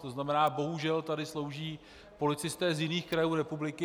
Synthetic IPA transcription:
t̪oznamɛnaːbo̞ɦuʒɛlt̪adɪslo̞wʒiː | po̞lɪt͡sɪst̪ɛːzjɪniːxkɾajuːɾɛpublɪkɪ

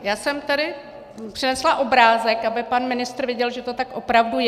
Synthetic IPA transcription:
jaːsɛmt̪ɛdɪ | pr̥ɪnɛslaʔo̞bɾaːzɛkabɪpanmɪnɪst̪rvjɪɟɛlʒɛt̪ot̪akʔo̞pɾavduj

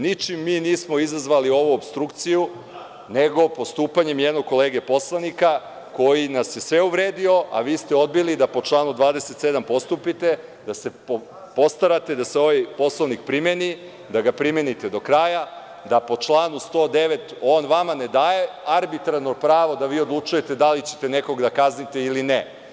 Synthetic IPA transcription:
nit͡ʃimːiːniːsmo̞izazʋalio̞ʋuobst̪ɾukt̪siju | ne̞ɡo̞po̞st̪uːpaɲe̞mjed̪no̞ɡ̚ko̞leːɡe̞po̞slˠanika | ko̞jinasjesʋe̞uʋɾeːd̪io̞ʔa̰ʋiːst̪eo̞d̪̚bilid̪apo̞t͡ʃlˠaːnud̪ʋaːd̪ese̞t̪se̞d̪ampo̞st̪upit̪e̞ | d̪ase̞ | po̞st̪aɾat̪e̞d̪aseo̞ʋajpo̞slaʋnik̚pɾimeni | d̪aɡapɾime̞nit̪e̞d̪o̞kɾaːja | d̪apo̞t͡ʃlˠaːnust̪o̞ːd̪e̞ʋe̞t̪o̞ːnʋamane̞d̪aːje̞aɾbit̪ɾaɾnopɾaːʋo̞d̪aʋiːod̪lˠut͡ʃuje̞t̪e̞d̪alit͡ɕet̪e̞ne̞ko̞ɡd̪akaznit̪e̞iline

